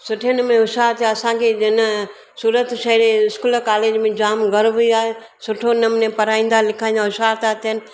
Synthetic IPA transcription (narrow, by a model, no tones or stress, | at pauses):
sʊʈʰiənəmẽʊʃaːɾt̪ʰiaɐsãkʰed͡ʒɪnə | suːɾət̪ʃɐɾeɪskuːlkaːleːd͡ʒmẽd͡ʑaːmɡɐɾʋiaːɦe | sʊʈʰonəmnẽpɐɾaːĩːn̆d̪alɪkʰaːĩnd̪aʊʃaːɾt̪at̪ʰiɦənɪ̆